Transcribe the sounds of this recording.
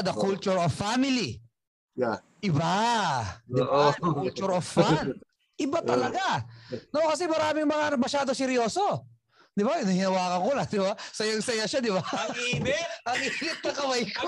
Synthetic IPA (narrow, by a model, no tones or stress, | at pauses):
d̪ɐkult͡ʃʊɹofːamɪli | ʔɪba | d̪ɪkult͡ʃʊɾoffan | ʔɪbat̪ɐlɐɡanokɐsɛmɐɾaːmɪŋmɐŋamɐʃaːd̪o̞sɛɾjo̞ːso̞ | d̪ɪbaɪnɐhɪnɐwaːkɐŋkolɐd̪ɪbasɐjaŋsɐjaʃad̪ɪbaɐŋimɛʔɐŋiːmɪt̪̚nɐkɐwɐjko